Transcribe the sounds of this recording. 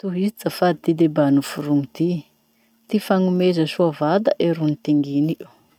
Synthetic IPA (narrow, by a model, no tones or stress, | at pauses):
t̪uɦizit͡safad̪it̪id̪ebanufuɾuŋit̪i | t̪ifaŋumezəsuavad̪aʔeɾunit̪iŋɡini